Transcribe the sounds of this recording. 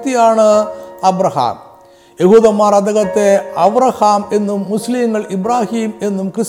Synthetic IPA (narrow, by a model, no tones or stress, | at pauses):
t̪ːijaːɳɨɐbɾɐha̰ːm | jeɦuːðɐmːaːɾɐd̪ɐɣɐt̪ːeɐbɾɐhaːme̞nːumːusliːŋɡɐɭibɾaːhiːme̞nːumkrɨs